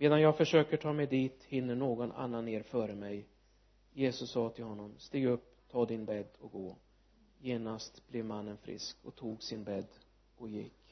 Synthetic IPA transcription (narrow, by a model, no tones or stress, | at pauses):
meːd̪anjɑːɡfœʂøːkəʈʰɑːmɛjd̪iːt̪hɪnːəɳoːɡɔna̰nːanːeːɾfœːɾəmɛj | jeːsɵsːɑːt̪ʰɪlhɔnːɔmst̪iːɡɵpː | t̪ʰɑːd̪ɪnbɛd̪ːɔɡoː | jeːnast̪b̥lɛvmanːənfɾɪ̰skɔ̰t̪ʰuːɡsɪnbɛd̪ː | ɔjɪkː